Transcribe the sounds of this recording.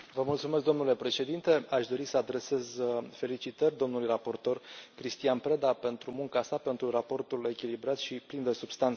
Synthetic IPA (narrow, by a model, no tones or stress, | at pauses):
vəmult̪sumesk̚d̪o̞mnule̞pɾe̞ʃe̞d̪int̪e̞aʃd̪o̞ɾisəad̪ɾe̞se̞zfe̞lit͡ʃit̪ərʲd̪o̞mnulujrapo̞rt̪o̞rkɾist̪ianpɾed̪ape̞nt̪ɾumuŋkasape̞nt̪ɾurapo̞rt̪ule̞kʲilibɾat̪ʃiplind̪esubst̪ant̪se̥